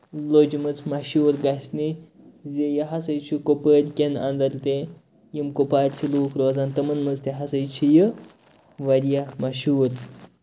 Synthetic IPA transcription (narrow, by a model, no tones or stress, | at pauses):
lod͡ʒumɨt͡smɐɕuːɾɡasʲni | zejɐɦasəjt͡ʃʰukopəɾʲkʲenɐ̰nd̪ɐɾt̪e | jimkopaːɾt͡ʃʰiluːkɾoːzant̪ɐmɐnmɐzt̪eɦɐsəjt͡ʃʰijə | ʋɐɾjamɐɕuːɾ